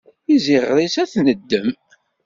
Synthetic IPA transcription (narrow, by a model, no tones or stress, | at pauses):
iziʁɾisæθnəd̪ːəm